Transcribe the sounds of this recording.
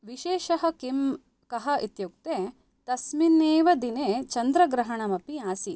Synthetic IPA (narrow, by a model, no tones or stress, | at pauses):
ʋiʃeːʃɐɦɐkim | kɐɦɐʔit̪juk̚t̪eː | t̪ɐsmineːʋɐd̪ineːt͡ʃɐnd̪ɾɐɡɾɐɦɐɳɐmɐpiaːsi